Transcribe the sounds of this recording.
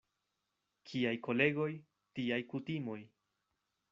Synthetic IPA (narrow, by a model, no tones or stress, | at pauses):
kʰiajko̞le̞ɡo̞j | tiajkutimo̞j